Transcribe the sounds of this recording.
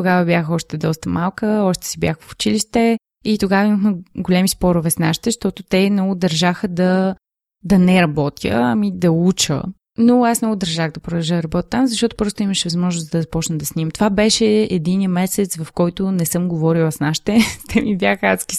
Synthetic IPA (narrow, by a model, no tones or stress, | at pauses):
t̪oɡavəbjaxɔʃt̪ɛd̪ɔst̪əmalˠkəɔʃt̪ɛ̥sibʲjaxfʊ̥t͡ʃiliʃt̪ɛ | it̪oɡavəiməxməɡolʲɛmispɔɾovɛsnaʃi̥t̪ɛʃt̪ɔt̪ot̪ɛmnɔɡʊd̪ɐɾʒaxəd̪ɐ | d̪ɐnɛɾɐbɔt̪jə̰ɐmid̪ɐut͡ʃə̰ | noasnɔɡʊd̪ɐɾʒaɣd̪ɐpɾʊd̪ɐlˠʒəd̪ɐɾɐbɔt̪ʲət̪ːamzɐʃt̪ɔt̪ʊ̥pɾɔst̪ʊiməʃɛvɐzmɔʒnʊsd̪ɐzɐpɔt͡ʃnəd̪ɐsnimt̪ovabɛʃɛɛd̪inijəmɛsɛt̪svɐfkɔjt̪ʊnɛsɤmɡovɔɾilˠəsnaʃi̥t̪ɛt̪ʰɛmibjaxat̪ski̥